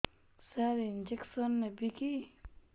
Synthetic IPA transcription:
saɾind͡ʒeksənːebiki

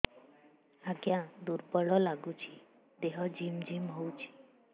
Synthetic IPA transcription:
aɡjãd̪uɾbəɭɔlaɡut͡ʃʰi | d̪eɦɔd͡ʒimd͡ʒimɦowt͡ʃʰi̥

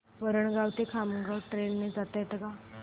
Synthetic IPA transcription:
ʋəɾəɳɡawt̪ekʰaməɡəwʈɾenːed͡zat̪ət̪ɡa

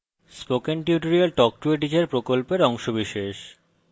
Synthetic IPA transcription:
spokenʈiʈoɾialʈɔk̚ʈueʈ̬id͡ʑeɾpɾokolpeɾɔŋʃobiʃeʃ

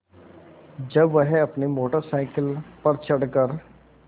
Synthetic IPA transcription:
d͡ʒəbʋəɦɐpnemoːʈəɾsaːɪkəlpəɾt͡ʃʰəɽkəɾ

